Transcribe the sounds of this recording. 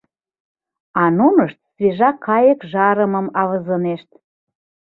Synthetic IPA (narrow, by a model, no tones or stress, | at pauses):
ɑnoməʃt̪sβeʒɑkʰːɑjəkʒɑɾəməmɑβəzəneʃt̪